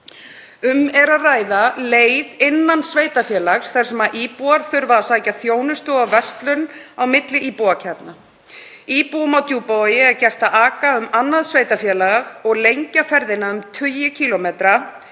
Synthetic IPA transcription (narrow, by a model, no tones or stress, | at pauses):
ʏmɛɾaðraːjðaleːjðɪnːansveːjt̪afjɛːlaxsθɛr̥sɛmaʔiːpuaɾ̥θʏɾvasajcaθjoːwnʏst̪ʏɣawvɛst̪lʏnawmɪt̪lɪʔiːpuacʰɛɾt̪na | iːpuʏmawt̪juːpojɪɛɾcɛr̥t̪aaːkaʏmanːaðsveːjt̪afjɛːlaɣaɣɔɣlejɲcafɛɾðɪnːaʏmt̪ʰʏjɪcʰiːlomeːt̪ɾa